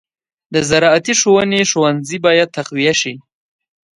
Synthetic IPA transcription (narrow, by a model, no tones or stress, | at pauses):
d̪əzaɾɑat̪iʃowəneʃowanzibɑjad̪̚t̪ːaqwijaʃi